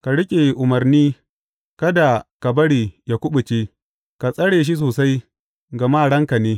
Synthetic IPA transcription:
ka˨ɽɪ˦kʲʼe˨ʔʊ˨mɐ˨rniː˦ | kɐ˦da˨ka˨bɐ˦ɽiː˨ja˨kʷʊ˦ɓʊ˨t͡ʃe˦ | ka˨sʼɐ˦ɽeː˨ʃ̬i˦s̬oː˨sa˦j | ɡɐ˨maː˦˨ɽɐ˦ŋka˨neː˦

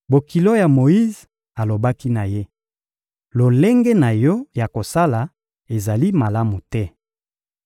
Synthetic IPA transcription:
bo˨ki˨lo˦ja˨mo˨i˦z | a˨lo˨ba˦ki˦na˨je˦ | lo˨le˦ŋɡɛ˦na˨jɔ˦ja˨ko˨sa˦la˨ | e˨za˨li˦ma˨la˦mu˨tɛ˦

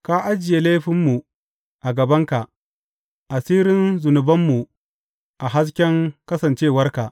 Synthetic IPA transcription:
ka˦ʔa˦d͡ʒɪ˨je˨le˦ɸɪ˦mːu˨ | ʔa˨ɡɐ˨bɐ˦ŋka˨ʔ | ʔa˨siː˦ɾɪ˦nzʊ˨nʊ˨bɐ˦mːu˨ | ʔa˨ɦa˦s̬kʲɛ˦ŋkɐ˦sɐ˨nt͡ʃeː˦˨wɐ˦rka˨ʔ

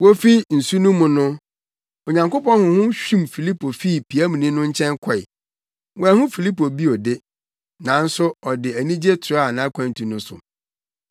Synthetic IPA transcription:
wo˦fi˦n̩˨su˦nũ˦mːʊ̃˨nʊ̃˦ | o˨ɲã˨ŋko˦pɔ̃˦nhʊ̃˨hʊ̃˦ɕᶣũ˦mfi˨li˦pʰo˨fi˦˨pʰi˨æ˦mũ˨nĩ˦nʊ̃˦ɲ̩˦t͡ɕʰɛ̃˦ŋkʰɔ˨ɪ̰˨ | wæ˨hʊ̃˦fi˨li˦po˨bi˦ɔ˨dɪ˦ | nã˨n̩˦sʊ˦ɔ˨dɪ˨æ˨nĩ˦d͡ʑe˦tʰʊ˨a˦˨nã˨˦kʷʰã˨n˨tʰĩ˨nʊ̃˦sʊ̰˨

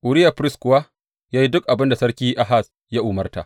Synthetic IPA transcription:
ʔʊ˨ɽɪ˦ja˨ɸɾɪ˦skʷʊ˨wa˦ | jaː˦ji˦dʊ˦k̚ʔa˨bɪ˦nda˨sɐ˦ɽkʲiː˦ʔa˦ɦa˦˨s | ja˦ʔʊ˨mɐ˦rta̰˨ʔ

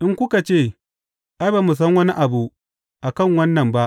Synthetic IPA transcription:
ʔɪ˦ŋkʷʊ˦ka˨t͡ʃeː˦˨ | ʔa˦baː˨mu˨s̬ɐ˦ŋwɐ˦ni˦ʔa˨bu˨ʔ | ʔa˨kɐ˦˨ŋwɐ˦nːɐ˨mba˦ʔ

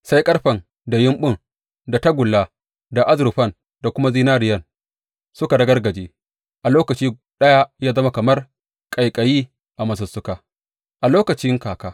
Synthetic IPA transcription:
sa˦jkʼɐ˦ɽɸɐ˨n | da˨jɪ˦mɓʊ˦ŋ | da˨tɐ˦ɡʷʊ˨lːa˦ | da˨ʔa˦zʊ˨ɾʊ˨ɸɐ˦˨n | da˨kʷʊ˦ma˦ziː˦naː˦ɾɪ˨jɐ˦n | sʊ˦ka˨dɐ˦ɡɐ˦rɡɐ˨d͡ʒeː˦ | ʔa˨loː˦kɐ˨t͡ʃiː˦ | ɗɐ˦ja˦jaː˦zɐ˦ma˦kɐ˨mɐ˦r | kʼɐ˨jkʼɐ˨jiː˦ | ʔa˨mɐ˨s̬ɐ˨sːʊ˦kaː˨ | ʔa˨loː˦kɐ˨t͡ʃɪ˦ŋkaː˨kaː˦

